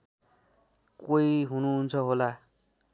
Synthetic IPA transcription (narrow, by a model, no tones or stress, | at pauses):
koiɦunuɦunt͡sʰʌɦola